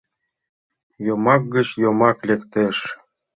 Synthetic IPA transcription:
jomɑk̚ɡət͡ɕjomɑklʲekt̪eʃ

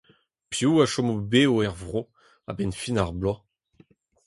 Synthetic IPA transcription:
pjuaʃɔmobeoɛʁvʁo | a̰bɛnfinaʁblɔ

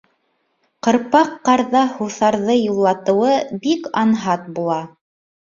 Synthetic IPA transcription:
qɤ̆ɾpɑqːɑɾðɑhuθɑɾðɤjulˠːɑt̪ɤ̆wɤbikɑnɦɑt̪̚bulˠɑ

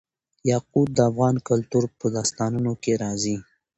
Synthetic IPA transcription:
jɑqud̪̚d̪əafɣɑnkʊlt̪uɾpəd̪ɑst̪ɑnunokeɾɑzi

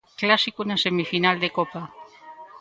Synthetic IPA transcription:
klasikunasemifinald̪ekopa

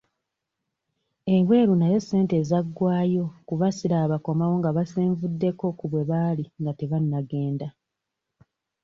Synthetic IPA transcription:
e̞we̞ːɾunaje̞sːe̞ːnte̞ːzaɡwaːjo̞kuβasiɾaːβako̞mawo̞ŋɡaβaseːɱvudːe̞ko̞kuβwe̞βaliŋɡate̞βanːaɡe̞ːnda

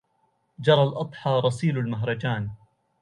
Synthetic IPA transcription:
d͡ʒɑɾˤɑlʔɑd̪ˤħɑːɾˤɑsiːlalmaɦɾˤɑd͡ʒaːn

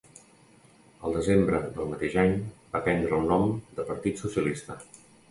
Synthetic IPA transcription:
əlˠd̪əzembɾəd̪əlˠmət̪eʒaɲbapɛnd̪ɾəunːɔmd̪əpəɾt̪it̪susiəlist̪ə

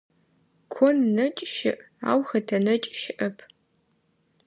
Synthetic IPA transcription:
kʷʰɔnːɐt͡ʃʼʃɪ̰ʔ | a̰ːwxɐtʰɐnɐt͡ʃʼʃɪʔɐpʰ

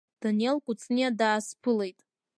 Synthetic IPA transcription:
d̥anelkʷʼʊt͡sʰʼniadaːspʰɨlejtʼ

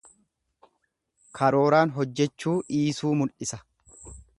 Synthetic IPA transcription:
kʰɐɾo̞ːɾaːnɦɔd͡ʒːɛt͡ʃːuːʔiːsuːmʊlʔɪsɐ

